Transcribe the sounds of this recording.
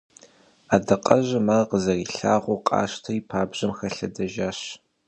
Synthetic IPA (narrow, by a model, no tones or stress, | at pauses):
aːdɐqʼɐʑɐmaqəzɐriːɬaːʁʷʊqʼɑ̰ːʃtʰɐipʰaːbʑ̥ɐmxɐɬɐdɐʒaːɕ